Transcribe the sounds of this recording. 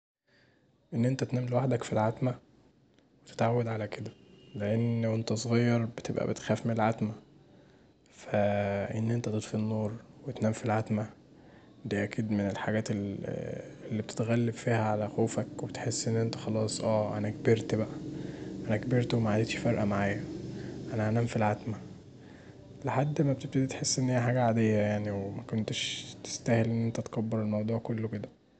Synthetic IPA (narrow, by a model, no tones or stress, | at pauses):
ʔenːʔent̪æt̪næːmlewaħd̪ækfilʕat̪mæ | wet̪e̥t̪ʕawːæd̪ʕalæked̪æleʔenʔent̪æsˤɣɑjːɑɾˤbet̪ebʔæ̰bet̪xæːfmenelʕat̪mæ | fæʔenːʔent̪æt̪et̪ˤfinːoːɾˤwet̪næːmfilʕat̪mæ | d̪iːʔækʰiːd̪menelħaɡæːt̪el | elːiːb̚et̪e̥t̪ɣælːebfiːhæʕalæxoːfækwebet̪ħesːʔenːʔent̪æ̥xɑlɑːsˤʔæːʔæ̰nækbeɾt̪bæʔæʔænækbeɾt̪wemæʕand̪et̪ʃfɑɾʔæmaʕaːjæʔænæhænæːmfilʕat̪mæ | leħad̪ːmæb̚t̪eb̚t̪æd̪it̪ħesːʔenːhejːæħaːɡæʕaːd̪ejːæjaʕniwemækont̪eʃt̪e̥st̪æhelʔenːʔent̪æt̪kɑbːeɾelmɑwd̪ˤuːʕkolːked̪æ